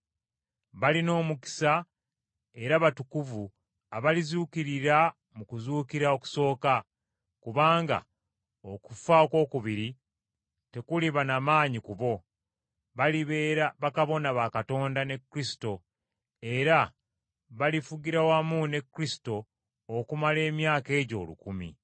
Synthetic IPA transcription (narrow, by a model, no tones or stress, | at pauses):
βalino̞ːmuki̥sa | e̞ɾaβatukuvu | aβalizukiɾiɾa | mukuzuːkiɾao̞ku̥so̞ːka | kuβaːŋɡa̰ | oku̥faoko̞ːkuβiɾi | te̞kuliβanamaːɲikuβo̞ | βaliβeɾaβakaβo̞naβakato̞ːndane̞kɾisi̥to̞ | e̞ɾa | βalifuɡiɾawamune̞kːɾisi̥to̞ː | kumale̞ːmjaːke̞ːɟo̞̰ːlṵkumḭ